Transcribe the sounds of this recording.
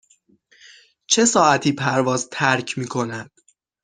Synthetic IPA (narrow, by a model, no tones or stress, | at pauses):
t͡ʃʰe̞sɒːʔæt̪ʰiːpʰæɾvɒːzt̪ʰæɾcʰmiːkʰo̞næd̪̥